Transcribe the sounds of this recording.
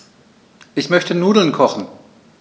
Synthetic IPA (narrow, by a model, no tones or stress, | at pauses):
ʔɪçmœçtənuːdl̩nkʰɔχn̩